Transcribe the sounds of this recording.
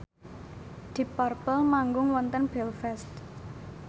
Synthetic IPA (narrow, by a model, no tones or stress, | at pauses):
d̪̥ipɔrpəlmaŋɡʊŋwɔnt̪ənb̥ɛlfɛst̪